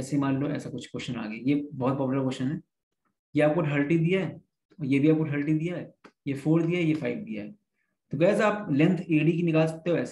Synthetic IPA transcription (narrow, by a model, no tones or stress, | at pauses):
ɛːseimaːlloɛ̰ːsakʊt͡ʃʰkoːʃəna̰ːɡəjajebɔːt̪̚pɔːplakoːʃənɦɛː | jeaːp̚koʈʰəlʈid̪ijaɦɛː | ɔːɾjebʱiaːp̚koʈʰɐlʈ̬id̪ijaɦɛːjefoːɾd̪ijaɦɛjefʰaːɪʋd̪ija̰ɦɛ | t̪oɡɛjaːzaːplɛ̃nt̪ʰeːɖik̬inɪkaːlsɐ̥k̚t̪eɦoɛːs